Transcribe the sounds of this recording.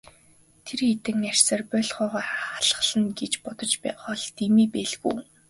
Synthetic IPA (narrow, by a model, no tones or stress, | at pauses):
t̪ʰerxet̪ɘ̆ŋær̥ʲsə̆ːrpœːɮχɔːʁaːχḁɮχə̆ɮə̆nɡet͡ɕpɔt̪ɞ̆t͡ɕpːχɔɮt̪imiːpeːɮɣṵː